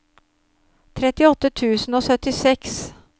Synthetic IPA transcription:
t̪ʰɾɛt̪ɪɔt̪ːət̪ʰʉːsn̩oːsœt̪ɪsɛks

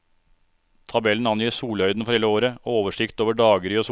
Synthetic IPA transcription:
t̪ʰɑbɛln̩ɑnjiːsuːlhœʏd̪n̩fɔɾhɛləoːɾəːoːʋəʂɪkt̪oːʋəɖɑːɡəɾios

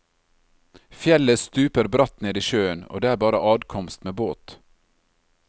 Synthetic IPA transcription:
fjɛləst̪ʉːpəɾbɾɑt̪neːd̪iːʃøːəno̰ːd̪eːæːɾbɑːɾəʔɑːd̪kʰɔmst̪meːboːt̪

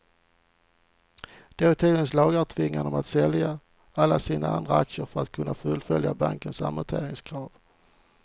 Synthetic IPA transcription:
d̪̥evət̪ʰiːd̪ənslɑːɡæʈ̪ʰvɪŋːanɔmat̪sɛlja | alːasiːnaand̪ɾaakʂəɾfœɾat̪kʰɵnːafɵlfœljaba̰ŋkənsa̰mət̪ʰḛːɾɪŋskʰɾɑːv

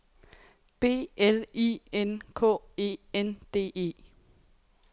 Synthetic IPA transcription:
b̥e̝̰ːelḭːenkʰɔ̰ːe̝̰ːend̥e̝̰ːe̝̰ː

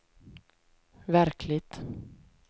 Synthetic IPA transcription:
væɾkʰlɪɡt̪

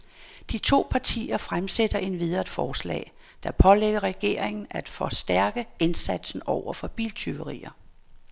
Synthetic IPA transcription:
d̥it͡sʰo̝̰ːpʰɑ̈t͡sʰḭːɐfʁamsed̥ɐʔe̝dʋið̞ˠɐd̥fɒːslɛ̰ː | d̥æpʰɒ̽leɡ̥ɐʁɛɡ̥e̝ɐ̰eŋn̩æd̥fɒ̽sd̥æɐɡ̥əensæd̥sn̩ɒʊ̰ɐfɒ̽b̥ḭːlt͡sʰyʊəʁḭːɐ

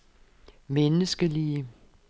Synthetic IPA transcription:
menəsɡ̥əliə

